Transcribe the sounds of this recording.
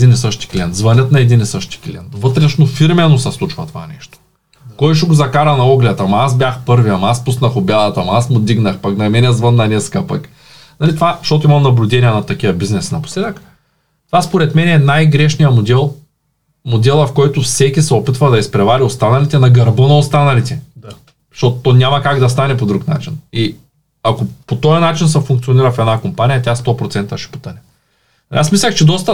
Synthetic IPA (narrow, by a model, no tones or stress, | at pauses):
d̪inisəʃt̪i̥klʲiɛnt̪zvɐnʲət̪nɐɛd̪inisɤʃt̪i̥klʲḭɛ̰nt̪vɤt̪ɾɛʃnofiɾmɛnosɐslˠut͡ʃvɐt̪ova̰nɛ̰ʃt̪o̥ | kɔjʃ̬ɛɡʊzɐkaɾɐnɐɔɡlʲɛt̪ɐmɐasbʲjaxpɤɾviɐmɐaspusnɐxʊbʲad̪ɐt̪ɐmɐasmʊd̪iɡnɐxpɐknɐmɛnɛzvənːɐnɛskapɐk | nɐlit̪ovaʃt̪ɔt̪oimɐmnɐblʲʊd̪ɛniɛnɐt̪ɐkijɐbiznɛsinɐpo̥slɛd̪ək | t̪ovaspoɾɛt̪mɛnɛɛnajɡɾɛʃnijɐmod̪ɛlˠ | mod̪ɛlˠɐfkɔjt̪ʊfsɛkʲisɛopit̪vɐd̪ɐispɾɛvalʲiost̪anɐlit̪ɛnɐɡɐɾbɤnɐost̪anɐlit̪ɛ | ʃt̪ot̪ot̪ɔnʲamɐkaɡd̪ɐst̪anɛpod̪ɾukna̰t͡ʃini | akopot̪ɔjɐnat͡ʃinsɐfuŋkt̪sioniɾəfɛd̪nakompanʲijɐt̪ʲast̪ɔpɾot̪sɛnt̪ɐʃɛ̥po̥t̪əɾʲɐ | ɐlḭasmislʲəxt͡ʃɛd̪ɔst̪ɐ